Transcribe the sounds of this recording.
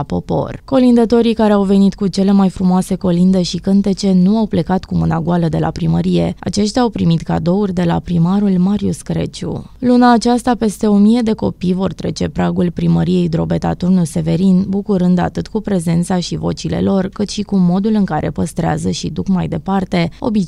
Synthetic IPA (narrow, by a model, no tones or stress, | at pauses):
po̞po̞̰rko̞lind̪ət̪o̞ɾikaɾeawve̞nit̪kut͡ʃe̞le̞majfɾumoase̞ko̞lind̪e̞ʃikɨnt̪e̞t͡ʃe̞nuawple̞kat̪kumɨnaɡualəd̪e̞la̰pɾiməɾije̞a̰t͡ʃe̞ʃt̪ʲaawpɾimit̪ka̰d̪o̞urʲd̪e̞la̰pɾimaɾulmaɾiuskɾe̞̰t͡ʃṵlunaːt͡ʃast̪ape̞st̪e̞o̞mije̞d̪e̞ko̞pijvo̞rt̪ɾe̞t͡ʃe̞pɾaɡulpɾiməɾije̞jd̪ɾo̞be̞t̪a̰t̪urnuse̞ve̞ɾinbukuɾɨnd̪a̰t̪ɨt̪kupɾe̞ze̞nt̪saʃivo̞̰t͡ʃile̞̰lo̞rkɨt̪ʃikumo̞d̪ulɨŋkaɾʔe̞̰pəst̪ɾea̰zəʃid̪ukmajd̪e̞part̪e̞o̞̰bi